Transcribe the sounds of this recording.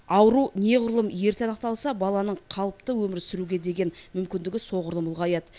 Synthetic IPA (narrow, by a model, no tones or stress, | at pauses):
ɑwəɾune̞ʁʊɾlˠəmje̞ɾt̪eɑnəq̚t̪ɑlˠsɑbɑlˠɑnəɴqʰɑlˠəpt̪əwɵmɪɾsʏɾuɡʲe̞d̪e̞ɡʲe̞nmʏmkʲɪnd̪ɪɡʲɪso̞ʁʊɾlˠəmʊlˠʁɑjɑd̪ə